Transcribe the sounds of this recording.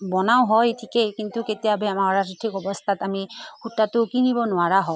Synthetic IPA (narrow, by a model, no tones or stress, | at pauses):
bɔnaʊ̃ɦɔjtʰikekintuketijabɛamaɹatitʰikɔbɔst̪ʰatamixutːatʊkinibɔnʊaɹaɦɔ